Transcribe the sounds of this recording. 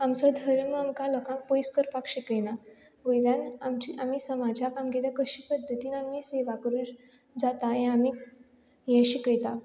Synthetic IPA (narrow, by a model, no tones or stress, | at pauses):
amt͡sɔd̪ʱəɾunməamkãlɔkãŋk̚pojskəɾpakɕikəjna | ʋəjljanamt͡ɕiʔam̤isəmad͡ʑʱakamɡelakəɕiːpəd̪ʱːət̪iːnamiːseʋakəɾu | d͡zat̪ajɛ̃ami | jɛ̃ɕikəjt̪a